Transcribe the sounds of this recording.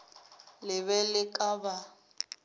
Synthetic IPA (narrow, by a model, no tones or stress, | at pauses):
lɪβɛlɪkʼaba